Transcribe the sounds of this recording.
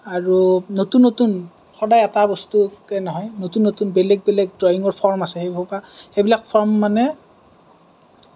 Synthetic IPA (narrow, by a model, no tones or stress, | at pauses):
aɹunotunːotun | xɔdajɛtabɔstukɛnɔɦɔjnotunːotunbɛlɛɡ̚bɛlɛɡ̚dɹɔjiŋɔɹpʰɔɹmasɛxejbɔpaxejbilak̚pʰɔɹmːanɛ